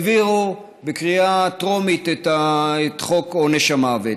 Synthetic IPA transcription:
viʁu | bekʁiatʁomit̪et̪aet̪χokoneʃamave

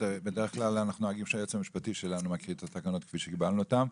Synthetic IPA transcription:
ebede̞ʁeχklalanaχnuoaɡimʃeajot͡semiʃpatiʃelanumakiʁimt̪at̪akano̞t̪kfiʃeɡibalnuot̪am

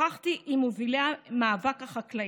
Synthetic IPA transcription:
aχt̪iʔimovileamaːvakaχakla

